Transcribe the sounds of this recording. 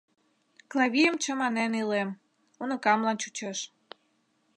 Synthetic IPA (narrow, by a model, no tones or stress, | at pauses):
klɑβʲijəmt͡ɕə̆mɑnenilem | unə̆kɑmlɑnt͡ɕut͡ɕeʃ